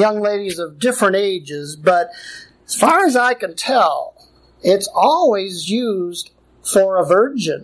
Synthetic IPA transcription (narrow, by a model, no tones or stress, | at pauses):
jʌ̃ŋleɪɾizʌvdɪfɹɨ̃ñteɪd͡ʒɪzbʌɾ | z̥fɑɹɨzaɪkɨ̃ntʰɛlˠ | ɪtsɔlˠwizjʉzd̥ | fə˞əvɜ˞d͡ʒɨ̃n